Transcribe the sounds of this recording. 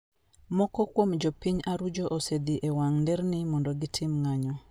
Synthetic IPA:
mɔkɔkwomd͡ʒopiɲaɾud͡ʒoʔosed̪iʔewaŋndɛɾnimɔndɔɡitʰɪmŋaɲɔ

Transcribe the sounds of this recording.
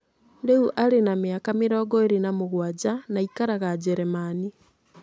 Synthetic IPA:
ɾeuʔaɾenamjakameɾɔːɡɔeɾenamoɣwad͡ʒanaikaɾaɣad͡ʒɛɾemani

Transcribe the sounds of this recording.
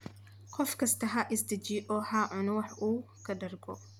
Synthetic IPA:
kʰɔfkɐst̪ɐɦaʔɪsd̪ɐd͡ʒiːʔɔːħaːʕʊnʊwɐħʔuː | kɐd̪ɐɾɡɔ̰

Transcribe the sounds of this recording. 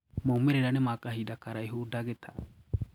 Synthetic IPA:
mɔmɛɾɛɾanɛmakaɦidakaɾajɦudaɡɛt̪ʰa

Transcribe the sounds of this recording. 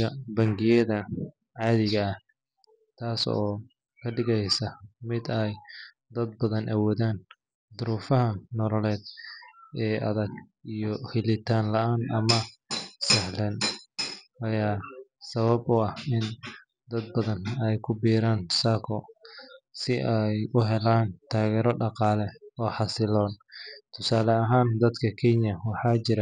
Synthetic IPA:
ɐbɐŋɡɪjɐðɐ | ʕɑːðɪɣɐːh | t̪ʰaːsɔː | kʰɐɖɪɣɛjsɐmɪd̪ɛj | d̪ɐd̪̚bɐðɐnʔɐwɔːðaːn | d̪ʊɾuːfɐɦɐnɔlɔlɛːd̪ | ɛːʔɐ̰ðɐɡijɔhɪlɪt̪ʰaːnlɐʔaːnɐmɐsɛhlɛn | ʔɐjaːsɐβɐbʊɐhɪn | d̪ɐd̪̚bɐðɐnɛjkʰʊbiːɾaːnsaːkʰɔ̰ | sɪʔɛjʔʊɦɛlaːnt̪ʰaːɣɛːɾɔɖɑqɑːlɛɔːħɑsɪlɔːnt̪ʰʊsaːlɐɐɦaːnd̪ɐd̪kʰɐkʰɛnjɐwɑħɑːt͡ʃɪɾɐ

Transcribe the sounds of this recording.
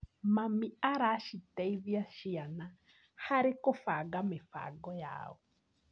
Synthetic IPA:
mamiaɾaʃitɛiβiaʃiana | haɾekɔfaɡamefa̰ɡɔja̰ːɔ

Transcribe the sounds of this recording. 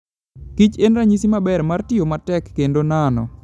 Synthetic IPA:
kit͡ʃenɾaɲisimabɛrmartɪomatɛkːendonanɔ̰

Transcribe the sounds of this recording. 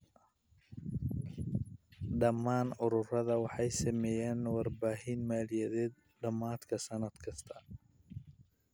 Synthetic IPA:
ɖɐmːaːnʊɾʊrɐðɐwɑħɑjsɐmɛːjaːnwɑrbaːɦɪnmaːlɪjɐðɛːd̪̚ | ɖɐmaːd̪kʰɐsɐnɐd̪kʰɐst̪ʰɐ

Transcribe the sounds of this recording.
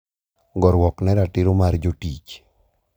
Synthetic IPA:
ɡɔɾwɔknɛɾatɪɾomaɾd͡ʒotit͡ʃ

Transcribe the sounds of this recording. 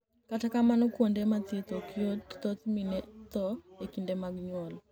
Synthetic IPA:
katakamanɔkwondematet̪okʰɪott̪ɔt̪minet̪ɔekindemaɡɲwɔl

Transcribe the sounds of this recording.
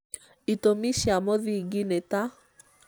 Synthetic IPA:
itomiʃjamɔðiɡɪneta

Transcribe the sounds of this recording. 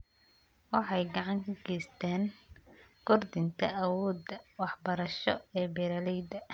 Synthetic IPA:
wɑħɑjɡɑʕɑŋkʰɐɡɛjst̪ʰaːn | kɔrd̪ɪnt̪ʰɐʔɐwɔːd̪ɐwɑħbɐɾɐʃɔɛːbɛɾɐlɛjd̪ɐ

